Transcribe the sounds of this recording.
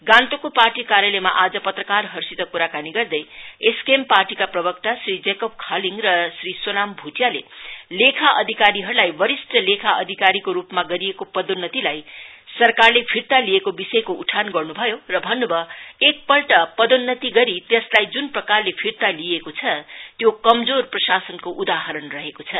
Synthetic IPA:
ɡãnt̪okoparʈikaɾjʌlejmaʔad͡zʌpʌt̪rʌkarɦʌrsit̪ʌkuɾakaniɡʌrd̪ʌjeskemparʈikaprʌbʌk̚t̪asrid͡zekop̚kʰaliŋrʌsrisonambʱuʈjalḛlekʰaʔʌd̪ʱikaɾiɦʌɾulajbʌɾisʈʌlekʰaʔʌ̰d̪ʱikaɾikoɾupmaɡʌɾijekopʌd̪onːʌt̪ilajsʌrkarlepʰiɾt̪aliekobisʌjkouʈʰanɡʌrnubʱʌjorʌbʱʌnːubʱʌek̚pʌlʈʌpʌd̪onːʌt̪iɡʌɾit̪eslajd͡zunprʌkarlepʰiɾt̪aliekot͡sʰʌt̪jokʌmd͡zorprʌsasʌnkoʔud̪aɦʌɾʌnrʌɦekot͡sʰʌ

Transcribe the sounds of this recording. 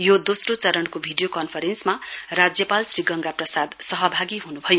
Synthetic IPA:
jod̪osrot͡sʌɾʌnkobʱiɖijokʌnpʰʌɾensmarad͡zjʌpalsriɡʌŋɡaprʌsad̪sʌɦʌbʱaɡiɦunubʱʌjo

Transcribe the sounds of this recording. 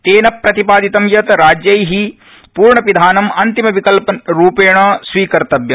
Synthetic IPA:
t̪eːnɐpːɾɐt̪ipaːd̪it̪ɐmjɐt̪ɾaːd͡ʒjɐjɦi | puːɾɳɐʋid̪ʱaːnɐmɐnt̪imɐʋikɐlpɐɾuːpeːɳɐːsʋiːkɐɾt̪ɐbjɐ

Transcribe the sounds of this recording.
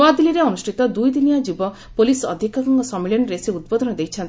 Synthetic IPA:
ad̪iliɾeɔnusʈʰit̪ɔd̪ujd̪injad͡ʒibɔ | polisɔd̪ʱikɔkɔŋkɔsɔmiɭjɔnɾeseud̪̚bɔd̪ʱɔnɔd̪ejt͡ʃʰɔnt̪i

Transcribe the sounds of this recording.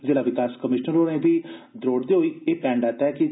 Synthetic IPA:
d͡ʒeːɽaːʋɪkaːskəmɪʃnəɾoːɽẽːd̪iːd̪ɾoːɽd̪eːɦoːiːeːpɛ̃ːɳɖaːt̪aɛːkɪ

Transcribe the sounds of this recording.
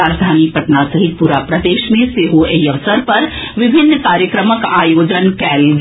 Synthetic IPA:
aːd͡ʒd̪ʱaːnipɐʈnasɐɦɪt̪̚puɾapɾɐd̪eːʃmẽseːɦoʔeiɐʋsəɾpɐɾʋɪbʱɪnːkaːɾjəkɾəməkaːjoːd͡ʒənkɛːlɡ

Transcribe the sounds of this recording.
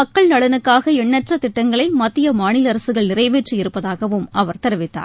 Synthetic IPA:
ɐkːɐɭnɐɭɐnɯkːaːɣɐɛɳːɐʈrɐt̪ɪʈːɐŋɡɐɭɐɪmɐt̪ːɪjɐmaːɳɪlɐɾɐsɯɣɐɭnɪrɐɪʋeːʈrijɪɾɯpːɐðaːɣɐʋɯmɐʋɐɾt̪ɛɾɯʋɪt̪ːa̰ː

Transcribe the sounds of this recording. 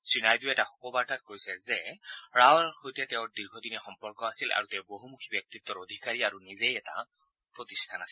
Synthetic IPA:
sɹinajduɛtaxɔ̥kɔbaɹtat̚koɹisɛzɛɹawalxojtɛtɛʊ̃ɹdiɹɡʱɔdinɛxɔmpɔɹkɔasilʔa̰ɹutɛʊboɦumukʰibjɔk̚tit̪ːɔɹod̪ʱikaɹiaɹunizejɛta̰ | pɹot̪istʰanasil

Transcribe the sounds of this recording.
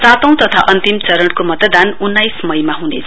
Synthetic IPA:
sat̪ʌ̃w̃t̪ʌt̪ʰaʔʌnt̪imt͡sʌɾʌɳɽkomʌt̪ʌd̪anunːajsmʌjmaɦunḛt͡sʰ

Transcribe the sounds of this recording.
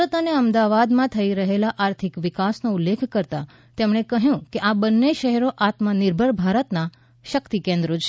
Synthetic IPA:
ət̪aneəmd̪aʋad̪mãt̪ʰəiɾəɦelaʔaɾt̪ʰikʋɪkasnoulːekʰkəɾt̪a | t̪emɳ̃ekəɦjũkeʔabənːeʃəɦɛɾoʔat̪manɪɾbʱəɭbʱaɾət̪na | ʃəkt̪ikẽnd̪ɾo

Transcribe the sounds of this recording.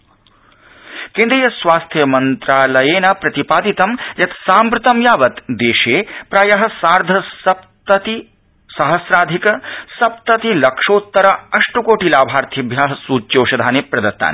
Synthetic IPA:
kend̪ɾijɐsʋaːst̪ʰjɐmɐnt̪ɾaːlɐjeːnɐpɾɐt̪ipaːd̪it̪ɐmjɐt̪saːmpɾɨt̪ɐmjaːʋɐt̪d̪eːʃeːpɾaːjɐɦɐsaːɾd̪ʱɐsɐp̚t̪ɐt̪i | sɐɦɐsɾaːd̪ʱikɐsɐp̚t̪ɐt̪ilɐkʂoːt̪ːɐɾɐɐʂʈukoːʈilaːbʱaːɾt̪ʰiɐbʱjaːɦɐsuːt͡ʃːjoːʃɐd̪ʱaːnepɾɐd̪ɐt̪ːa̰ːni

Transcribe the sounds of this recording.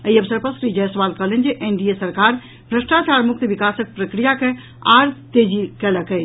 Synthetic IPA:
əiəbsəɾpəsɾid͡ʒɛsəʋalkəɦlen̆d͡ʒeʔenɖiesəɾkaɾ | bʱɾəsʈat͡ʃaɾmuk̚t̪ʋikasək̚pɾəkɾijake | a̰ɾt̪ed͡ʒikɛləkɛt͡ʃʰ

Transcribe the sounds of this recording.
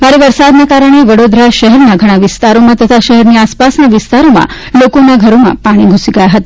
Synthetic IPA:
maɾeʋəɾsad̪nakaɾəɽ̃eʋəɽod̪ɾaʃəɦɛɾnaɡʱəɽ̃aʋɪst̪aɾomãt̪ət̪ʰaʃəɦɛɾniaspasnaʋɪst̪aɾomã̰ | lokonaɡʱəɾomã̰paɽ̃iɡʱusiɡəjaɦət̪a

